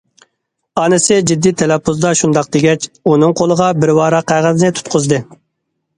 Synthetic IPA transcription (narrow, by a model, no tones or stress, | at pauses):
ɑːnɨsɪd͡ʒid̪ːit̪ʰɛlɛpʰːuzd̪ɑʃund̪ɑq̚d̪eɡʲɛt͡ʃunɨŋqʰolˠəʁɑbɪɾwɑːɾɑqʰːæʁəzɪnɪt̪ʰu̥t̪qʰʊzd̪ɨ